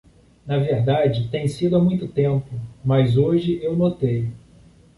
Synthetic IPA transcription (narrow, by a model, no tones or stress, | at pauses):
nɐveɾd̪ad͡ʒɪt̪ẽj̃sid̪ʊamũj̃t̪ʊt̪ẽmpʊmazoʒɪewnot̪ej